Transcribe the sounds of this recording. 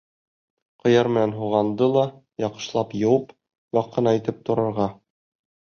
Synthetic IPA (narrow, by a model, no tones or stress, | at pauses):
qɤ̆jɑɾmɘ̆nænɦuʁɑnd̪ɤlˠɑ | jɒqɤ̥̆ʃlˠɑpjɤ̆wɤp | jɒqːɤ̆nɑit̪ɘp̚t̪ŏɾɤ̆ɾʁɑ